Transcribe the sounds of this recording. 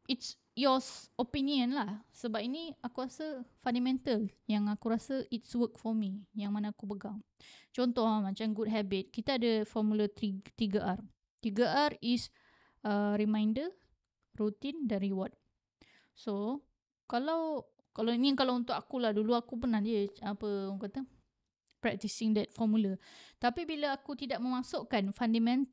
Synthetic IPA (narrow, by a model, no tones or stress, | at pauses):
ʔits | jɔsopiniə̃nlahsəbap̚iniakuɾasafandamɛ̃nt̪aljaŋakuɾasaʔit̚swək̚fɔmijaŋmanaːkubəɡaŋt͡ʃɔnt̪ɔhlamãt͡ʃamɡud̚ɦabit̪̚kit̪aːdəfɔmulat̪it̪iɡəʔar | t̪iɡəʔaris | əɾimãjndə | rut̪indanɾiwɔt̪̚ | so | kalaw | kalainikalawunt̪ʊkakulahduluakup̬ənahdiəapəŋkat̪ə | pɾɛk̚t̪isɪŋdɛt̪̚fɔmulat̪apibiləakut̪idaʔ̚mə̃mãsʊʔkanfandamɛ̃n